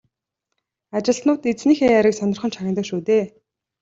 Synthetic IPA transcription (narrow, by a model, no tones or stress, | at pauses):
at͡ɕɪ̆ɬt̪nʊːt̪et͡sniːxeːaɾʲɪ̆ksɔnɞ̆rχɞ̆nt͡ɕʰaɣʲɪ̆nt̪ə̆kʃuːt̪eː